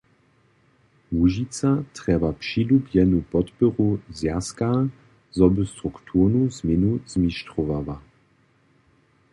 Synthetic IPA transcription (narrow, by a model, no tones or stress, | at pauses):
muʒit͡sat̪ʁɛbapʂilubjɛnupɔt̪pɔʁuzjaska | zɔbst̪ɾukt̪ʰunuzmɪnuz̥miʃt̪ʁɔvava